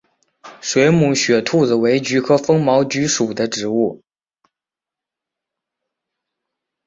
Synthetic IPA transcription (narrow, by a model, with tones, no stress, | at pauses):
ʂwe˧˥ɪmu˨˥ɕɥɛ˨˩t̪ʰu˥˩d͡z̩˨˩we˧˥ɪt͡ɕy˧˥kʰɤ˥fɤ˥ŋmɑ˧˥ʊt͡ɕy˧˥ʂu˨˩d̪ə˦ʈ͡ʂɻ̩˨˥u˥˩